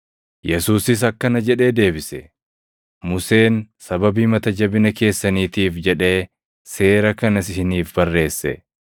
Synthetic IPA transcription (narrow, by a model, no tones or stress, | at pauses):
jɛsuːsɪs̬ɐkːɐnɐd͡ʒɛᶑe̞ːd̪e̞ːbɪsɛ | mʊse̞ːnsɐbɐbiːmɐt̪ɐd͡ʒɐbɪnɐke̞ːsːɐniːt̪iːfd͡ʒɛᶑe̞ː | se̞ːɾɐkɐnɐsɪɪniːfbɐrːe̞ːsːɛ̰